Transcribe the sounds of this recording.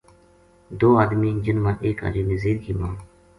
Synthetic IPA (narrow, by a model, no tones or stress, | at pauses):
d̪oːaːd̪miːd͡ʒɪnmãːʔeːka̰ːd͡ʒiːnəziːɾɡimãː